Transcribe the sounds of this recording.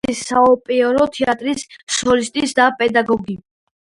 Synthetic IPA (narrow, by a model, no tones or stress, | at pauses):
isaɔpʼiɔɾɔt̪ʰɛat̪ʼɾissɔlist̪ʼisd̪apʼɛd̪aɡɔɡi